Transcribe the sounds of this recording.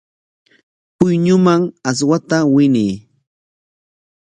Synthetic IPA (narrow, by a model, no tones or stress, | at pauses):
pʊjɲʊmaŋas̬wat̪awɪniː